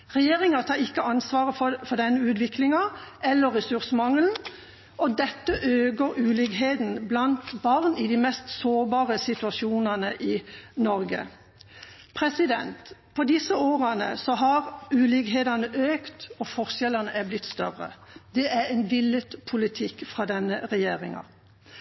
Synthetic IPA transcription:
ʁɛjeːʁɪŋɑt̪ʰɑːɪkːəɑnsʋɑːʁəffɔʁd̪ɛnːəʉːt̪ʋɪklɪŋɑʔɛlːəʁːɛsʉʁsəmɑŋln̩ | ʔɔd̪ɛt̪ːəʔøːɡəɾʉːlɪɡɦeːd̪n̩blɑnt̪bɑʁnɪd̪iːmɛst̪soːʁbɑːʁəsɪt̪ʉɑʃuːnɑnəʔɪnɔɾɡə̰ | pʰʁɛsɪd̪ɛ̰nt̪pʰɔd̪ɪsəoːʁənə̰sɔɦɑʁʉːlɪɡɦeːd̪ɑnəʔøːkt̪ɔfɔʁsɛlɑnəʔæblɪt̪ːst̪œʁə̰d̪ɛʔæɾɛnʋɪlət̪pʰʊlɪt̪ʰɪkːfʁɑːd̪ɛnːəʁɛjeːʁɪŋɑ̰

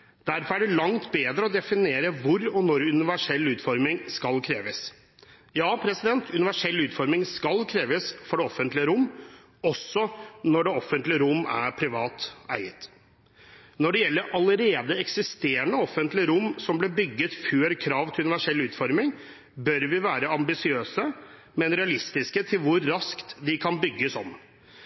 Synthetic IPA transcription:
d̪̥æɾfɔɾæɖɛlɑŋt̪beːd̪ɾəɔd̪ɛfɪneːɾəʋʊɾɔnɔɾʉnɪʋæʂɛlːʉːt̪fɔɾmɪŋskɑlkʰɾeːʋəs | jɑːpʰɾɛsɪd̪ɛnt̪ʉnɪʋæʂɛlːʉːt̪fɔɾmɪŋskɑlkʰɾeːʋəsfɔɖɛɔfːənt̪lɪəɾʊmː | ɔsːɔnɔɖɛːɔfːənt̪lɪəɾʊmːæ̰ɾpʰɾɪʋɑːt̪æɪət̪ | nɔɖɛjɛlːəɾʔɑləɾeːd̪əɛksɪst̪eːɾəɳəɔfːənt̪lɪəɾʊmːsɔmblɪbʏɡːət̪føːɾkʰɾɑːʋt̪ʰɪlʉnɪʋæʂɛlːʉːt̪fɔɾmɪŋ | bœɾʋɪʋæːɾəɑmbɪsɪøːsə | mɛnɾɛɑlɪst̪ɪskət̪ʰɪlʋʊɾːɑskt̪d̪ɪkʰɑnbʏɡːəsɔm

